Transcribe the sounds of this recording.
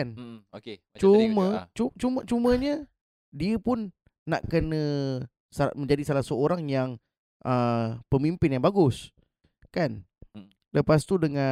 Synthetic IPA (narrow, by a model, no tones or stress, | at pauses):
anoke | t͡ʃumə̃t͡ʃut͡ʃumət͡ʃumə̃ɲə | diəpʊnː | a̰ʔkənə̃ | samə̃ɲd͡ʒadisalahsəoɾaŋjaŋ | ʔəpəmimpɪnjaŋbaɡʊs | kan | ləpast̪udəŋã